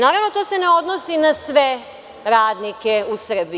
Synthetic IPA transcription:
naːɾaʋno̞t̪o̞ːseneo̞d̪nosinasʋe | ɾaːd̪nikeusr̩bi

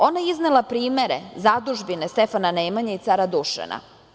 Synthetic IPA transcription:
o̞najizne̞lˠapɾiːme̞ɾe̞̰zad̪uʒbine̞st̪e̞fananeːmaɲait̪saɾad̪uʃḛnʔa̰

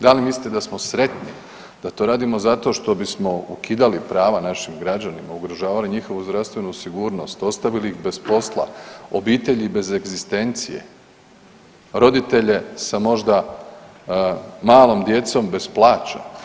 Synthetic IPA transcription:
d̪alimislit̪ed̪asmo̞sɾe̞t̪ni | d̪̥at̪o̞ɾaːd̪imo̞zat̪o̞ʃt̪o̞bismo̞ukiːd̪alipɾaːʋanaʃimɡɾad͡ʑanimauɡɾoʒaːʋaliɲixo̞ʋuzd̪ɾaʋst̪ʋe̞nusiɡuːɾno̞st̪o̞st̪aʋilixbe̞spo̞slˠa̰o̞biːt̪e̞ʎibe̞zeɡzist̪e̞nt̪sijḛ | ɾo̞d̪it̪e̞ʎe̞samo̞ʒd̪a | maːlo̞md̪je̞t̪so̞mbe̞splˠaːt͡ɕa̰

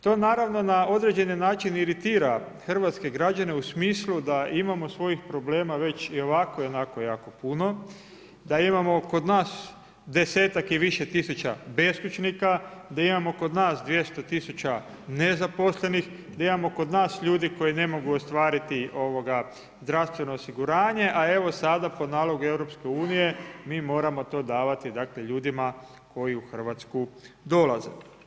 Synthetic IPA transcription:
t̪o̞ːnaːɾaʋno̞nao̞d̪ɾe̞d͡ʑe̞nanaːt͡ʃiniɾit̪iːɾa | xr̩ʋat̪ske̞ɡɾad͡ʒane̞usmiːslud̪aimamosʋo̞jixpɾo̞ble̞ːmaʋe̞t͡ɕio̞ʋako̞jonako̞jaːko̞puno̞ | d̪aimamo̞ko̞d̪naːs | d̪e̞se̞ːt̪akiʋiʃe̞t̪isut͡ʃa̰be̞skut͡ʃnikad̪aimamo̞ko̞d̪naːsd̪ʋje̞st̪o̞t̪isut͡ɕa | ne̞zapo̞slˠe̞nix | d̪aimamo̞ko̞d̪naːsʎuːd̪iko̞jine̞mo̞ɡuost̪ʋaːɾit̪iʔo̞ʋo̞ɡa | zd̪ɾaʋst̪ʋe̞no̞ːsiɡuɾaːɲe̞ʔae̞ʋo̞sad̪apo̞naːlo̞ɡue̞ʋɾo̞pske̞uːnije̞miːmo̞ːɾamo̞t̪o̞ːd̪aːʋat̪id̪akle̞ʎuːd̪ima | ko̞jiuxr̩ʋat̪sku | d̪o̞laze̞̰

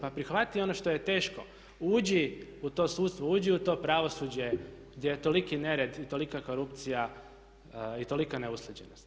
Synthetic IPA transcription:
papɾixʋat̪io̞noʃt̪o̞je̞t̪e̞ːʃko̞̰ | uːd͡ʑiut̪o̞ːsuːt̪st̪ʋouːd͡ʑiut̪o̞ːpɾaʋo̞suːd͡ʑeɡd̪je̞jet̪o̞likine̞ɾed̪it̪o̞likako̞ɾupt̪sija | it̪o̞likaneuslˠed͡ʑenost̪

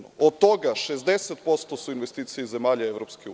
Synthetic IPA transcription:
oot̪t̪o̞ɡaʃezd̪e̞set̪̚po̞st̪osuinʋest̪iːt̪sijeizemaːʎaeʋɾopskeu

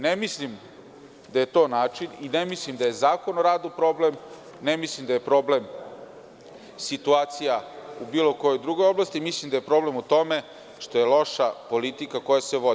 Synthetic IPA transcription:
nemislim | d̪aje̞t̪o̞ːnaːt͡ʃininemislimd̪aje̞zaːko̞noɾaːd̪upɾo̞blem | nemislimd̪ajepɾo̞blem | sit̪uaːt̪sijaubiːlo̞ko̞jo̞jd̪ɾuɡo̞jo̞blˠast̪imislimd̪ajepɾo̞ble̞mut̪o̞me̞ | ʂt̪o̞je̞lo̞ʃapo̞lit̪ikako̞jaseʋo̞d̪

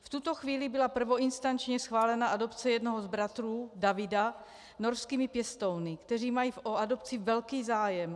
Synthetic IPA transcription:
ft̪ut̪oxviːlɪbɪlapr̩vo̞ʔinst̪ant͡ʃɲɛsxvaːlɛnaʔado̞pt͡sɛjɛdnoɦozbɾat̪ɾuːdavɪda | noɾskiːmɪpjɛst̪ownɪkt̪ɛriːmajiːfʔoado̞pt͡sivɛlkiːzaːjɛm

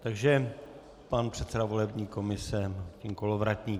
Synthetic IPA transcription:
t̪aɡʒɛ | panpr̝̥ɛt̪sɛdavo̞lɛbɲiːko̞mɪsɛciŋko̞lovɾacɲiː

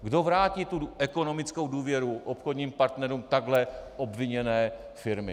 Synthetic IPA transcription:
ɡdo̞vɾaːciːt̪uʔɛko̞no̞mɪt͡skowduːvjɛɾuʔopxodɲiːmpaɾt̪nɛɾuːmt̪aɡlɛʔo̞bvɪɲɛnɛː | fɪɾmɪ

